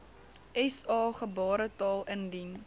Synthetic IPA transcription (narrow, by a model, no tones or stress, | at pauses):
ɛsɑːχəbɑːɾətɑːlˠəndin